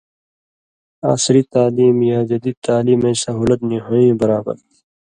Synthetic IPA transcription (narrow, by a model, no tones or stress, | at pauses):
a̰ːsɾit̪aːliːmjaːd͡ʑɐd̪it̪aːliːmẽːsɐɦuːlɐt̪niɦõĩːbɐɾaːbɐ̰ɾ